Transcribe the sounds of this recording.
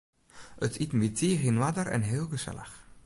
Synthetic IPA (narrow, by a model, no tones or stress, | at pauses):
ətʰitnbitʰiːɣinwadərɛ̰nɦeːlˠɣəsɛ̰lə̰x